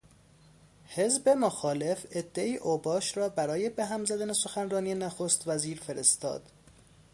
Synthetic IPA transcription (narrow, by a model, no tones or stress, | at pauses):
he̞zbe̞moxɒːle̞fed̪ːe̞iːʔobɒːʃɾɒːbæɾɒːje̞beɦæmzæd̪æne̞so̞xænrɒːnijenæxost̪væziːɾfe̞ɾest̪ɒ̰ːd̪̥